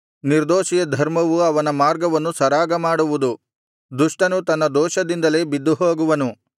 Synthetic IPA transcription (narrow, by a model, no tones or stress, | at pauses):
niɾd̪oːʃijɐd̪ʱɐɾmɐʋuɐʋɐnɐmaːɾɡɐʋɐnːusɐɾaːɡɐmaːɽuʋud̪u | d̪uʂʈɐnut̪ɐnːɐd̪ɔːʃɐd̪ind̪ɐle̞ːbid̪ːuɦoːɡuʋɐnu